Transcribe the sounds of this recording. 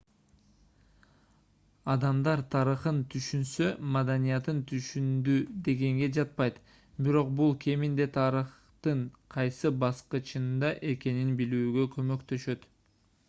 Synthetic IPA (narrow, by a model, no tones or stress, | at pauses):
ɑd̪ɑmd̪ɑɾt̪ʰɑɾɯχɯnt̪ʰyʃynsø̞mɑd̪ɑnijɑt̪ɯnt̪ʰyʃynd̪yd̪e̞ɡe̞ŋɡe̞d͡ʒɑt̪̚pɑjt̪ | biɾo̞qbulˠkʰʲe̞mind̪e̞t̪ʰɑɾɯχ | t̪ɯɴqʰɑjsɯbɑsqɯt͡ʃɯnd̪ɑʔe̞ke̞ninbilyːɡø̞kʰø̞mø̞kt̪ø̞ʃø̞t̪